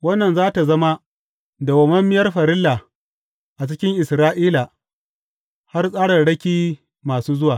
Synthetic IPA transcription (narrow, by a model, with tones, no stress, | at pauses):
wɐ˦nːɐ˨nzaː˦ta˨zɐ˦ma˦ | da˨wɐ˨mɐ˦mːɪ˦jɐ˦rɸɐ˨ɾɪ˦lːa˨ | ʔa˨t͡ʃɪ˦kʲɪ˦ŋʔɪ˨sɾaː˦ʔiː˦la˨ | ha˦rsʼaː˦ɽɐ˨rɽɐ˦kʲiː˦ | maː˨suː˦zʊ˦waː˨